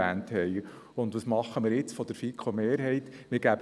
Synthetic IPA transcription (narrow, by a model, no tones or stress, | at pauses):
æːnthɛj | ʊnd̪ʋɑsmɑχːəmɪːɾjɪt͡sfɔd̥əɾfikʰomeːɾɦɛjt̪mɪɾɡ̥æb